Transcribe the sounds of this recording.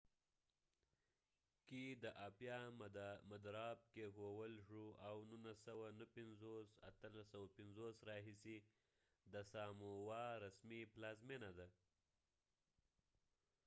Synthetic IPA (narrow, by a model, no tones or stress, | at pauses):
kid̪əʔapjɑmad̪ɾɑb̚kexowəlʂuawnunasawanəpɪnzosa̰t̪əlasawapɪnzosɾɑɦisi | d̪əsɑmowɑɾasmiplɑzmenad̪a